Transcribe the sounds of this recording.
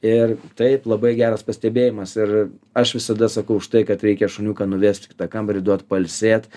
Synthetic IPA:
ɪrt̪ɐɪplˠɐbɐɪɡʲæːɾɐspɐsʲt̪ʲɛbʲeːjɪmɐsɪr | ɐʃʋʲɪsɐd̪ɐsɐkɐʊʊʃt̪ɐɪkɐt̪ɾʲɛɪkʲɛʃʊnʲuːkɐnʊʋʲeːsʲt̪ʲkʲɪ̥t̪ɐkɐmɾʲɪd̪uɔt̪pɐlʲsʲeːt̪

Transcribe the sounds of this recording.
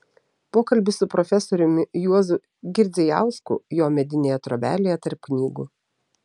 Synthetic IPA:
poːkɐlʲbʲɪsʊpɾɔfʲɛsɔɾʲʊmʲɪjuɔzʊ | ɡʲɪɾʲd̪zʲɛjæ̰ˑʊskʊ̰joːmʲɛd̪ʲɪnʲeːjɛt̪ɾobʲæːlʲejɛt̪ɐɾp̚knʲiːɡṵ

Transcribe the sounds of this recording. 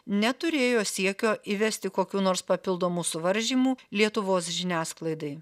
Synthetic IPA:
nʲɛt̪ʊɾʲeːjoːsʲiɛkʲoːʔiʋʲɛsʲt̪ʲɪkoːkʲuːnoːɾspɐpʲɪlˠd̪oːmuːsʊʋɐɾʲʒʲiːmuːlʲiɛt̪ʊʋoːsʒʲɪnʲæːsklˠɐɪd̪ɐɪ

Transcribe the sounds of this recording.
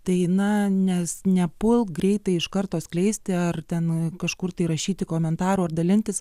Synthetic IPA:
t̪ɐɪnɐnʲɛsnʲɛpʊlˠɡɾʲɛɪt̪ɐɪɪʃkɐrt̪oːsklʲɛɪsʲt̪ʲɪɐrt̪ʲɛnkɐʃkʊrt̪ɐɪɾɐʃʲiːt̪ʲɪkoːmʲɛnt̪ɑːɾuːɐrd̪ɐlʲɪnʲt̪ʲɪs

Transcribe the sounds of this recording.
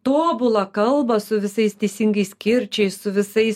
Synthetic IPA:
t̪oːbʊlˠɐkɐlˠbɐsʊʋʲɪsɐɪst̪ʲɛɪsʲɪŋɡɐɪsʲkʲɪɾʲt͡ʃʲɛɪssʊʋʲɪsɐɪs

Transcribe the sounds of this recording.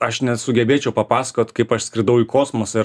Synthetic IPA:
ɐʃnʲɛsʊɡʲɛbʲeːt͡ʃʲɛʊpɐpɑːsɐ̥koːt̪kɐɪpɐʃsʲkʲɾʲɪd̪ɐʊikoːsmoːsɪɾ

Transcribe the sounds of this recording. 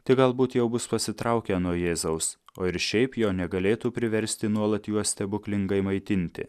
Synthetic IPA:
t̪ʲɪɡɐlˠbuːt̪jɛʊbʊspɐsʲɪt̪ɾɐʊkʲɛnuɔjeːzɐʊs | oːɪɾʃʲɛɪpjoːnʲɛɡɐlʲeːt̪uːpʲɾʲɪʋʲɛɾʲsʲt̪ʲɪnuɔlˠɐt̪juɔsʲt̪ʲɛbʊklʲɪŋɡɐɪmɐɪt̪ʲɪnʲt̪ʲɪ̰

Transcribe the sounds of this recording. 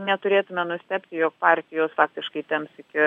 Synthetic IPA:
nʲɛt̪ʊɾʲeːt̪ʊmʲɛnʊsʲt̪ʲɛpʲt̪ʲɪjoːk̚pɑːrʲt̪ʲɪjoːsfɑːk̚t̪ʲɪʃkɐɪt̪ʲɛmpsɪkʲɪ

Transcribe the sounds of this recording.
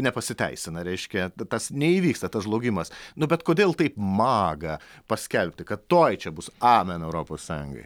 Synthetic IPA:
nʲɛpɐsʲɪt̪ʲɛɪsʲɪnɐɾʲɛɪʃʲkʲɛt̪ɐsnʲɛiːʋʲiːkst̪ɐt̪ɐsʒlˠoːɡʲɪmɐsnʊbʲɛt̪koːd̪ʲeːlˠt̪ɐɪpmɑːɡɐpɐsʲkʲɛlʲpʲtʲɪkɐt̪t̪oːjt͡ʃʲɛbʊsɑːmʲɛnɛʊɾoːpoːssɑːjʊŋɡo̰ɪ

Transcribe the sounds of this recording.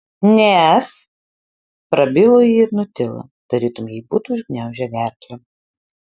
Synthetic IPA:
nʲɛs | pɾɐbʲɪlˠojiɪɾnʊt̪ʲɪlˠɐ̰ | d̪̥ɐɾʲiːt̪ʊmjɛɪbuːt̪ʊʒʲɡʲnʲæˑʊʒʲɛɡʲæɾʲk̪lʲo

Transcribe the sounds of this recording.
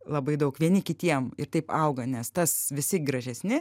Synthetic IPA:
lˠɐbɐɪd̪ɐʊkʋʲiɛnʲɪkʲɪt̪ʲiɛmɪɾt̪ɐɪpɐʊɡɐnʲɛst̪ɐsʋʲɪsʲɪɡɾɐʒʲɛsʲnʲɪ

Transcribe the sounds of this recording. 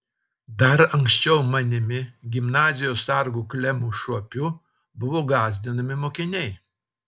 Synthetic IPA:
d̪ɐɾɐŋksʲt͡ʃʲɛʊmɐnʲɪmʲɪɡʲɪmnɑːzʲɪjoːsɐɾɡuːklʲɛmuːʃuɔpʲu | bʊʋoːɡɑːzʲd̪ʲɪnɐmʲɪmoːkʲɪnʲɛɪ

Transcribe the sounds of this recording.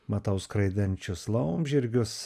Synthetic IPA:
mɐt̪ɐʊskɾɐɪd̪ʲɛnʲt͡ʃʲʊslˠɐʊmʲʒʲɪɾʲɡʲʊs

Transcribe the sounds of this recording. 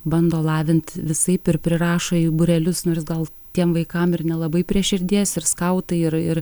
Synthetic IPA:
bɐnd̪oːlˠɑːʋʲɪnt̪ʋʲɪsɐɪpɪɾpʲɾʲɪrɑːʃoːiːbʊɾʲɛlʲʊsnoːrsɡɐlˠ | t̪ʲiɛmʋɐɪkɐmɪrnʲɛlˠɐbɐɪpʲɾʲiɛʃʲɪɾʲd̪ʲiɛsɪɾskɐʊt̪ɐɪɪɾɪr

